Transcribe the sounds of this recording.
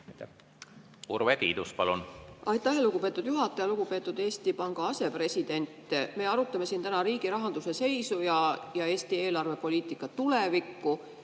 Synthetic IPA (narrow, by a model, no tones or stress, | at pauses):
t̪ː | ṵrvet̪ḭːd̪uspɑlunʔɑjt̪ːˑɑɦeluɡupe̞ːt̪ːˑud̪juɦɑt̪ːˑɑjɑluɡ̥upe̞ːt̪ːˑud̪eːst̪ipɑŋɡ̥ɑɑse̞pre̞sʲid̪̥e̞nʲt̪ːˑme̞ɑɾut̪ːˑɑme̞sint̪ænɑɾiːɡ̥iɾɑɦɑnd̪use̞se̞jsujɑjɑe̞ːsʲt̪ie̞ːlɑrve̞po̞lʲiːt̪ˑikːˑɑtt̪ulevikːu